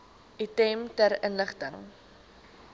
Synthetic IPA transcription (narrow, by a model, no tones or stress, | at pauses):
ditɛmtæɾənləχtəŋ